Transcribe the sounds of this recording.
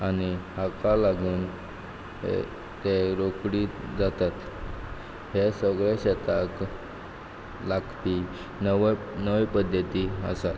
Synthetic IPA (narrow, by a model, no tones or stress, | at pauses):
anihakalaɡuːn | ḛ | t̪eɾokɽid͡zat̪at̪ | hesəɡɭɛɕɛt̪ak | lakpi | n | nəʋipəd̪ʱjət̪iə̰sat̪